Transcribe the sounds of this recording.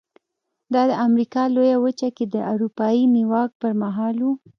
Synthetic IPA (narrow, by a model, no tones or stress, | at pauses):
d̪ɑd̪əamɾikɑlojawət͡ʃaked̪əʔawɾupɑjiniwɑk̚pəɾmaɦɑlwu